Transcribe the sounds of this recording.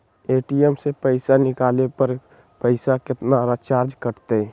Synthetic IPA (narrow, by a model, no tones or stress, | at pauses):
eːʈijemsepəɪsanɪkaːlepəɾ | pəɪsakɪt̪naɾat͡ʃaːɾd͡ʒkəɾt̪e